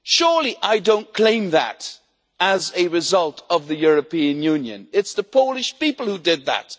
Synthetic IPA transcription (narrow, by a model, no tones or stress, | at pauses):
ʃʊɹlˠiʔaɪdõʊ̃nkʰl̥ẽɪ̃mðæ̰ɾ | ɨzɨɹɨzʌlˠtʰʌvðɨjʊɹɨpiɨ̃njʉ̃njɨ̰̃nɪtsðəpʰoʊlˠɨʃpipl̩ˠhudɪd̪̚ðæ̰t̚